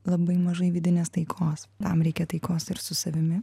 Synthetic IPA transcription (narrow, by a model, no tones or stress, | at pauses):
lˠɐbɐɪmɐʒɐɪʋʲɪd̪ʲɪnʲeːst̪ɐɪkʰoːst̪ɐmɾʲɛɪkʲɛt̪ɐɪkoːsɪɾsʊsɐʋʲɪmʲɪ